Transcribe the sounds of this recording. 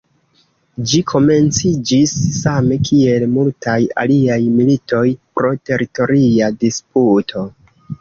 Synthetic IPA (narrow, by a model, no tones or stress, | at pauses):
d͡ʒikʰo̞me̞nt͡sid͡ʒisːame̞kʰie̞lmultaja̰liajmilito̞jpɾo̞te̞ɾito̞ɾiadisputʰo̞